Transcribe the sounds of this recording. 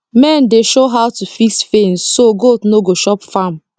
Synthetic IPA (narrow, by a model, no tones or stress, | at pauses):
mɛ̃ndeʃoɦaʊwtufiksfẽnssoɡotnoɡoʃɔpfam